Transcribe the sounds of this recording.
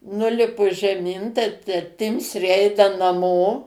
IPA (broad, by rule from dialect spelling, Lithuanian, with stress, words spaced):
ˈnʊlʲɪpʊ ʒʲɛˈmʲɪn tɐɪ tɐ ˈtʲɪmʲsʲrʲeː ˈɛɪnɐ nɐˈmoː